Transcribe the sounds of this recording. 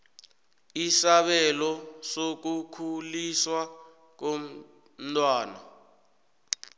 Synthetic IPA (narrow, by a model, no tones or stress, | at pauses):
isaɓɛlɔsok̬ukʰuliswa | k̬o | tʼwaːna̰